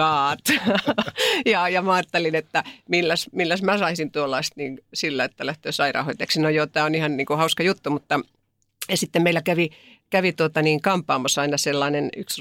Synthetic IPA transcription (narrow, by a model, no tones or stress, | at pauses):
ɑːt̪ | jɑjɑmæɑːt̪ːelinet̪ːæmilːæsmilːæsmæsɑisint̪uolːɑist̪niːnsilːæet̪ːælæht̪øːsɑirɑ̰hoit̪ːeksinojoːt̪æːonihɑnniːŋkuhɑuskɑjut̪ːumut̪ːɑ | ɑsit̪ːemeilækæʋikæʋit̪uot̪ɑniːŋkɑmpːˑɑːmɑsɑinɑselːɑːneny̰ks